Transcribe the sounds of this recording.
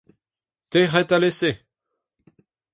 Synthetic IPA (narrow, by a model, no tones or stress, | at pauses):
t̪eʁɛt̪alese